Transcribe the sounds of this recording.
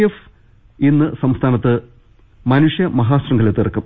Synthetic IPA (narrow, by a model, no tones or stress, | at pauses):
ef | inːɨsɐmst̪ʰaːnɐt̪ːɨ | mɐnuʂjɐmɐɦaːsrɐŋɡɐlet̪ːirɐkːum